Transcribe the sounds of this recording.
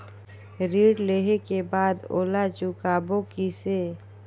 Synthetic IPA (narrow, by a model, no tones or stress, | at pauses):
ɾiːɖleɦekebaːd̪o̰ːlat͡ʃʊkaːbokise